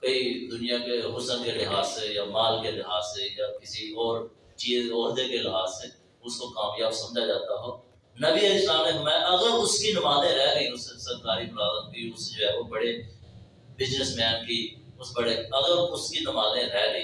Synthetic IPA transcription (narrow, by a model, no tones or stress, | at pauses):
koːid̪ʊnijãkeɦʊsə̃nkelɪɦaːsːejaːmaːlkelɪɦaːsːejaːkɪsiɔːɾ | t͡ʃiːzɔːɾd̪ekelɪɦaːsːe | ʊskokaːmjaːbsɐmd͡ʒad͡ʒaːt̪aɦɔː | nɐbiəislaːmnekmaːjʔɐɡəɾʊskinʊmaːnẽɾɛːɡəĩʊssəɾkaːɾibɾaːd̪ət̪̚biʊsd͡ʒoːɦɛːʋobɐɽe | bɪznəsmɛːnkiʊsbɐɽeɐɣəɾʊskinʊmaːzẽɾɛːɡəĩ